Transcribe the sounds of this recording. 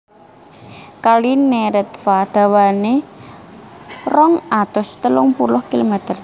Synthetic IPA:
kalinːeɾɛt̪̚fad̪̥a̤wane | rɔŋad̪̥ʊst̪əlʊŋpulʊhkilomɛt̪ər

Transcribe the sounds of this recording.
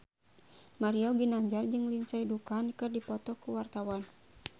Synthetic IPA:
maɾiɔɡinaɲd͡ʒard͡ʒɨŋliɲt͡ʃaidukaːnkɨrdipɔt̪ɔkuwart̪awan

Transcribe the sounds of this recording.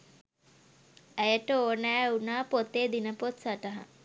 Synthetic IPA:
æjəʈəoːnæːunaːpot̪eːd̪inəpot̪saʈəɦa̰

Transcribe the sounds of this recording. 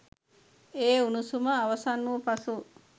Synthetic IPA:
eːunusumɐːʋɐsanːupɐsu

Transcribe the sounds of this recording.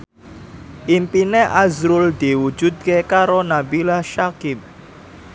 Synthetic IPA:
ʔimpineʔazɾʊld̪̥i̤wu̥d͡ʒṳd̪̚kekaɾonabilaʃakɪp̚

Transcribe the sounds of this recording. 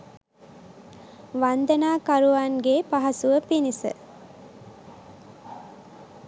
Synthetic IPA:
ʋand̪ənaːkaɾuʋanɡepaɦɐsuʋəpinisə̰

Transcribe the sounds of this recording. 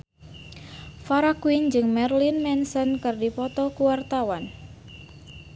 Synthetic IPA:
faɾakwind͡ʒɨŋmɛrlinmɛnsɔnkɨrdipɔt̪ɔkuwart̪awan

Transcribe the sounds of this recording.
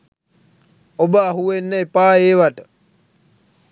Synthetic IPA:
obəːɦuenːeepaːeːʋaʈə

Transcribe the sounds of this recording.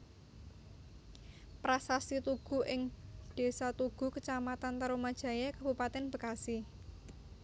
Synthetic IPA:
pɾasasit̪uɡ̥ṳʔɪŋd̥e̤sat̪uɡ̥ṳkət͡ʃamat̪ant̪əɾomad̥ʒ̥ä̤jakab̥ṳpat̪ɛnb̥ə̤kasi

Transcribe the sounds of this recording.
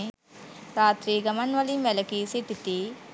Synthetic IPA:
ɾaːt̪ɾiɡɐmɐnʋɐlimʋɛlɐkisit̪ːit̪i

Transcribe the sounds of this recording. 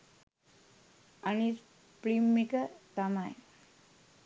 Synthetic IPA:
anis | pɾimːikət̪amaj

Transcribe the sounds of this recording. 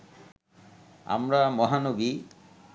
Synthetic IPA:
a̰mɾamɔɦanobi

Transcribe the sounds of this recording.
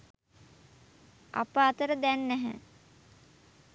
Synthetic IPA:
a̰pəat̪əɾəd̪ænːɛɦə̰

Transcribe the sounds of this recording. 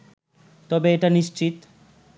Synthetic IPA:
t̪ɔbeeʈaniʃt͡ɕit̪

